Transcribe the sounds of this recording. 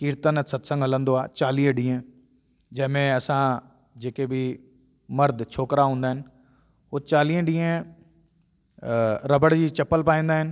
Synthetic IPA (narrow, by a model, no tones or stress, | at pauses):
kiːɾt̪ənət̪sət̪sə̃ŋɡɦələ̃nd̪oːaːt͡ʃaːliːəɖiːãː | d͡ʒɛːmɛ̃ːəsãː | d͡ʒeːkeːbiː | məɾd̪t͡ʃʰoːkɾaːɦõːnd̪aːɦɪn | oːt͡ʃaːlĩːɖiẽː | ɾəbəɽd͡ʒiːt͡ʃəpːəlpaːĩːnd̪aːɦɪn